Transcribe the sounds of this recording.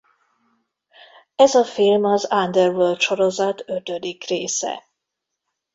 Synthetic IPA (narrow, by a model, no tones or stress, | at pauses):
ɛzɒfilmɒzand̪ɛrvølt̪ʃo̞ɾozɒt̪øt̪ød̪ikreːsɛ̰